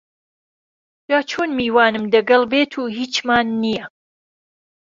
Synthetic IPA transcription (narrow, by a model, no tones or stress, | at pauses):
d̥aːt͡ʃʰoːnmiːwaːnɨmd̪ɐɡɐlbeːt̪ʰuːɦiːt͡ʃmaːnːijɛ